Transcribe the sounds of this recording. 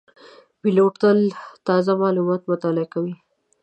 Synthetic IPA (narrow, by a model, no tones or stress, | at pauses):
biloʈt̪əlt̪ɑzamɑlumɑt̪mʊt̪ɑlɪakawi